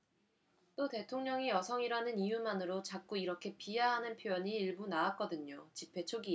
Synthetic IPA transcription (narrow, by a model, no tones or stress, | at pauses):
t͈ote̞tʰoŋɲʌŋijʌsʰʌŋiɾanɯnijumanɯɾot͡ɕak̚k͈uiɾʌkʰe̞piɦaɦanɯnpʰjojʌɲiːɭbunaak͈ʌdɯɲot͡ɕipʰe̞t͡ɕʰoɡi